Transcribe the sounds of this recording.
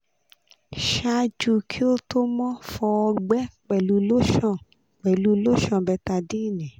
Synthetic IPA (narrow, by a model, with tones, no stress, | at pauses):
ʃa˧d͡ʒu˧kʰi˦o˦to˦mɔ̃˦fɔ˧ɡ͡bɛ˦k͡pɛ˨lu˨˧˦lo˦ʃɔ̃˦˨ | k͡pɛ˨lu˧˦lo˦ʃɔ̃˧˨bɛ˧˦ta˧di˦˨nɛ̃˨